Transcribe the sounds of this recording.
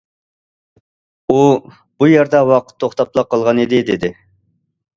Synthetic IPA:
u | b̥ujɛɾd̪ɑwɑqʰə̥t̪ʰːoχt̪ɑplˠɑq̚qʰːɑlˠʁɑnid̪ɪd̪ed̪ɪ

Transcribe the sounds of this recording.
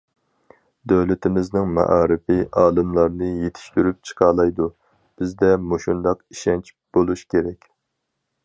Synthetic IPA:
d̪øwlɪt̪ʰɪmɪznɪŋmɛ̰ʔɑːɾɪfɪʔɑːlˠɨmlˠɑɾnɨjet̪ʰɪ̥ʃt̪yɾyp̚t͡ʃʰə̥qʰɑːlˠɑjd̪u | b̥ɪzd̪ɛmoʃund̪ɑqiʃɛnt͡ʃb̥olˠuʃkʲʰeɾɛkʲ

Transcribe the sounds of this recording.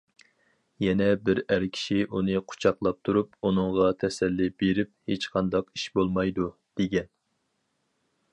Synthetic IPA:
jɛnɛbɪɾæɾkʲʰi̥ʃiʔunɨqʰʊ̥t͡ʃʰɑqlˠɑp̚t̪ʰuɾup̚unɨŋʁɑt̪ʰɛsɛlːɪbeɾɪp̚het͡ʃqʰɑnd̪ɑqiʃbolˠmɑjd̪ud̪̥eɡʲɛn

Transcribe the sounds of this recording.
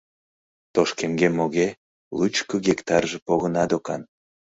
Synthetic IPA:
t̪oʃkemɡemoɣe | lut͡ʃkəɣekt̪ɑrʒepoɣənɑd̪okɑ̰n

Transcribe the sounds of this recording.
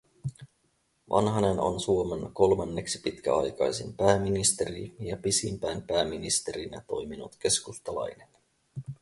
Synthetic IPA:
ʋʔɑ̰nɦɑne̞no̰nsuomenko̞lmɑnːe̞ksi̥pit̪kæ̰ɑ̰jkɑjsimpæːmːinist̪e̞ɾijɑpisimpæjmpæːmːinist̪e̞ɾinɑt̪o̞jminut̪k̟e̞skust̪ɑlɑ̰jnen

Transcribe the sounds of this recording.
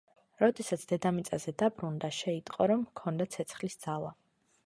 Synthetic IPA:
ɾɔd̪ɛsat̪sʰd̪̥ɛd̪amit̪sʼazɛd̪abɾund̪aʃɛit̪ʼqʼɔɾɔmkʰɔnd̪at̪sʰɛt̪sʰχlisd̪z̥alˠa

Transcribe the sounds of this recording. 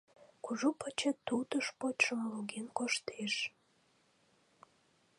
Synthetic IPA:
kuʒupət͡ɕet̪ːut̪əʃpotʲʃəmɑloɣenkoʃt̪eʃ

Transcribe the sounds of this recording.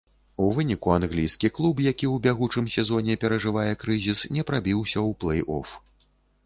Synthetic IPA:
uvɨnʲikuanɣlʲijskʲiklˠup̬jakʲiwbʲaɣut͡ʂɨmsʲɛzɔnʲɛpʲɛɾɐʐɨvajɛkɾɨzʲisnʲɛpɾabʲiwsʲɐwplˠɛjɔ̰f

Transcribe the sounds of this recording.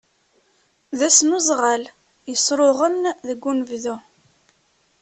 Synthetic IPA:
ðæsnuzˤʁal | jəsˤɾˤoʁəmðəɡʷːunəvðu

